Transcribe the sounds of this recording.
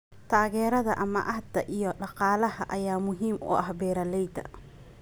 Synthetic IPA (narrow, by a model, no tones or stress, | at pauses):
t̪ʰaːɣɛːɾɐðɐʔɐmɐ̰ʔɐhd̪ɐʔijɔɗɑqɑːlɐɦɐʔɐjaːmʊɦiːmʊ̰ʔɐhbɛːɾɐlɛjt̪ʰɐ̰